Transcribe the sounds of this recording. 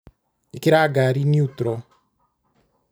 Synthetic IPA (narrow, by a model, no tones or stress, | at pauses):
ekeɾaɡaɾiniut̪ɾɔ